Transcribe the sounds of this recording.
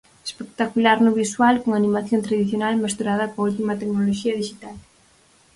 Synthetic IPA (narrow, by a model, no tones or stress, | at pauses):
espek̚t̪akulaɾnʊβiswalkoŋanĩmaθjont̪ɾaðiθjonalmest̪uɾað̞ɐkault̪imat̪eknoloʃiɐðiʃit̪al